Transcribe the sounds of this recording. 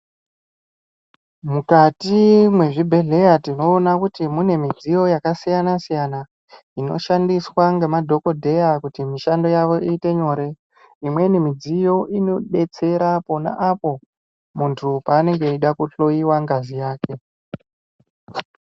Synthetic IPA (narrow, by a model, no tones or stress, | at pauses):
mukatimwe̞ʐibʱe̞ɮe̞jatino̞ːnakutimune̞mid͡zijo̞jakasijanasijana | ino̞̰ʃandiswaŋɡe̞madʱo̞ko̞dʱe̞jakutimiʃando̞jaʋo̞iːte̞ɲo̞ːɾe̞ | imwe̞nemid͡zijo̞ʔino̞ɗe̞t͡se̞ɾapo̞na̰ʔapo̞ | muntʰupaːne̞ŋɡe̞iɗakuɬo̞jiwaŋɡazijaːke̞